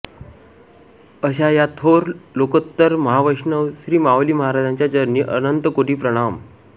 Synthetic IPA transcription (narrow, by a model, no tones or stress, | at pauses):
əɕ̬ajat̪ʰoɾlokət̪ːəɾməɦaʋəjɕɳəʋɕɾiːmawliːməɦaɾad͡ʑaɲt͡ɕjat͡ɕəɾniːʔənənt̪əkoʈiːpɾəɽ̃am